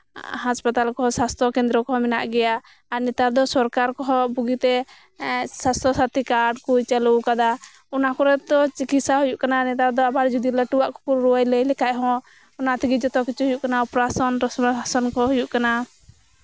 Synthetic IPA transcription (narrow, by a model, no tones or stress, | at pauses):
haspat̪alkɔsast̪ʰɔkɛ̃nd̪ɾɔkɔmɛna̰ʔɡɛja | aɾnit̪aɾd̪ɔsɔɾkaɾkɔɦɔbuɡit̪ɛ | sast̪ʰɔsat̪ikaɖkujt͡ʃalukad̪a | ɔnakɔɾɛt̪ɔt͡ʃikit̪saɦujuʔkananɛt̪aɾd̪ɔabaɾd͡ʒud̪iləʈuwaʔkɔ̥kuɾɾuwajləjlɛkaʔɦɔ̃ | ɔnat̪ʰiɡid͡ʒɔt̪ɔkit͡ʃuɦujuʔkanaupɾasɔnɾsasɔnkɔɦujuʔkana